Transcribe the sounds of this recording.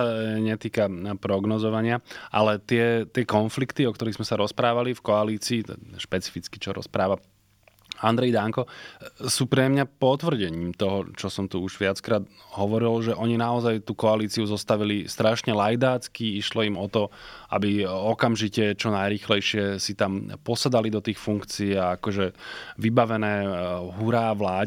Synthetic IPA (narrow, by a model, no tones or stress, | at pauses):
aɲɛt̪iːkapɾɔɡnɔzɔʋaɲɪaʔa̰lɛt̪ɪɛt̪ɪɛkɔnflikt̪iɔk̚t̪ɔɾiːɣzmɛsaɾɔspɾaːʋalifkɔaliːt͡siːt̪ɛ̰ʃpɛt͡si̥fit͡ski̥t͡ʃɔɾɔ̰spɾaːʋa | and̪ɾɛjd̪aŋkɔsuːpɾɛmɲapɔt̪ʋr̩ɟɛɲiːmt̪ɔɦɔt͡ʃɔsɔmt̪uuʒʋɪat͡skɾaːd̪ | ɦɔʋɔɾilʒɛʔɔɲinaɔzajt̪uːkɔaliːt͡siuzɔst̪aʋilist̪ɾaʃɲɛlajd̪aːt͡skiiʃlɔimɔt̪ɔʔa̰biɔkamʒicɛt͡ʃɔnajɾiːxlɛjʃɪɛsit̪ampɔsad̪alid̪ɔt̪iːxfuŋkt͡siːaakɔʒɛʋibaʋɛnɛːɦuɾaːʋlaː